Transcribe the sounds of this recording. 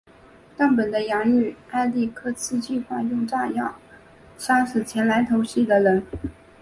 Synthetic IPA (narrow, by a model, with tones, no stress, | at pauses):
t̪ɑ˥˩ŋpə˨˩nd̪ə˦jɑ˧˥ŋy˥˩a˥˧ɪli˥˩kʰɤ˥t͡sʰɹ̩˥˧t͡ɕi˥˧xwa˥˧jʊ˥˧ŋʈ͡ʂa˥˧jɑ˥˩ʊ | ɕɑ˥ŋʂ̩˨˩t͡ɕʰjɛ˧˥nla˧˥ɪt̪ʰo˧˥ʊɕi˥˩d̪ə˩lə˧˥n